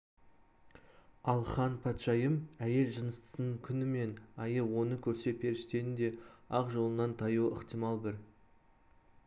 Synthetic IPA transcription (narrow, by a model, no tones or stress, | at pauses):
ɑlˠχɑnpʰɑt̪ʃɑjəmæje̞lʒənəst̪ə̥sənəɴkʲʰʏnɪme̞nɑjəwonəkʲʰɵɾse̞pʰe̞ɾɪʃt̪e̞ɾɪnd̪e̞ɑqʒo̞lˠənɑnt̪ʰɑjuwə̰qt̪ijmɑlˠbɪɾ